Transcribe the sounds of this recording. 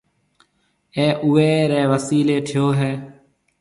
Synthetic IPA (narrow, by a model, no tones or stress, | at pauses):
eːʔʊʋeːɾeːʋəsiːleːʈʰɪjoːɦɛː